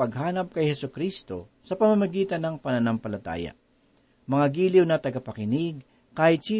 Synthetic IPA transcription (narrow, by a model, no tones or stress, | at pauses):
ɐɡɦaːnɐp̚kɐjhɛsʊkɾist̪o̞ | sɐpɐmɐmɐɡiːt̪ɐnːɐŋpɐnɐnɐmpɐlɐt̪a̰ːjɐ̰ | mɐŋaɡiːlɪwnɐt̪ɐɡɐpɐkɪnɪɡ̚ | kaːhɪt̪̚t͡ʃiː